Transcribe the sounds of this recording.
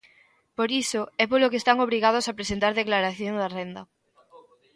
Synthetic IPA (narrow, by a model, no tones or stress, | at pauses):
poɾisoɛpolokest̪aŋoβɾiɣað̞osapɾesent̪aɾðeklaɾaθjoŋd̪arend̪ɐ